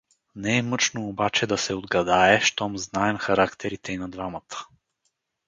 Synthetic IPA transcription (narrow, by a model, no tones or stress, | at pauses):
nɛɛmɤt͡ʃnoːbat͡ʃɛd̪ɐsɛod̪ɡɐd̪aɛʃt̪ɔmznaɛmxɐɾakt̪ʰɛɾit̪ʰɛinɐd̪vamət̪ʰə̥